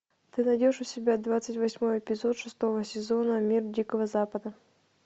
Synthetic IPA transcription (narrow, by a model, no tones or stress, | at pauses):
t̪ɨnɐdʲoʂʊsʲɪbʲad̪vat̪sɨtʲvɐsʲmo̞jɪpʲɪzo̞t̪ʂɨst̪o̞vəsʲɪzo̞nəmʲirdʲikəvəzapəd̪ə